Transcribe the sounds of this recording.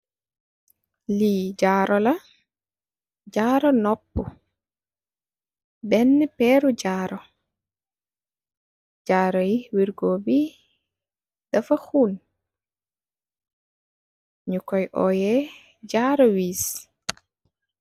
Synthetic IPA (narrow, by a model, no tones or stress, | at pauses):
liːd͡ʒaːɾʔɔlɐ | d͡ʒaːɾɔnɔpːṵ | bɛnːɛpɛɾuɟaːɾɔ | d͡ʒaːɾɔjiwiɾɡoːbi | d̥ɐfɐxun | ɲukɔjʔɔ̰jɛ | ɟaːɾɔwiːs